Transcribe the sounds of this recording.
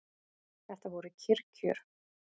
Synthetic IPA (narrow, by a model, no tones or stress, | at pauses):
θɛht̪avɔɾʏcʰɪɾcʰʏɾ̥